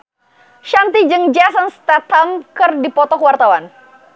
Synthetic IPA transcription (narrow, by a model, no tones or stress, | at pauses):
ʃant̪id͡ʒɨŋd͡ʒasɔnst̪at̪amkɨrdipɔt̪ɔkwart̪awan